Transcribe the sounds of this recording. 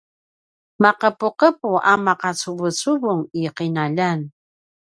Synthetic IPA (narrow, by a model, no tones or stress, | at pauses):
maqəpuqəpuʔamaqɑt͡suβət͡suβuŋiqinaʎan